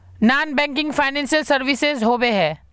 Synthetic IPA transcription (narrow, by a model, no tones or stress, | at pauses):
naːnbɛ̃ːŋkɪ̃ŋɡfʰaːɪnɛ̃ːnsəlsɐɾʋɪsezɦoːbeɦɛ̃ː